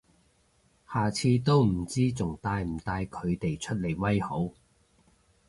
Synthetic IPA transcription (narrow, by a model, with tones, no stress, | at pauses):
haː˨˩t͡sʰiː˧t̪o˥wm̩˨˩t͡siː˥t͡sʊ˨˩ŋt̪aː˧jm̩˨˩t̪aː˧jkʰɵ˨˧ɥt̪e˨jt͡ʃʰɵ˥t̚le˨˩jwɐ˥jho˨˥w